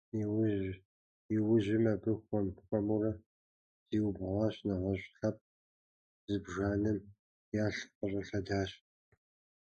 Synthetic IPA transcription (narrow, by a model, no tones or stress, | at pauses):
w | iwʊʒɪmɐbɨxʷɔmxʷɔmurɐ | z̥iːwbʁʷɑɕnɐʁɐɕɬɐp̚ | zɨbʒaːnɨm | jaːɬqəɕʼɐɬɐdaːɕ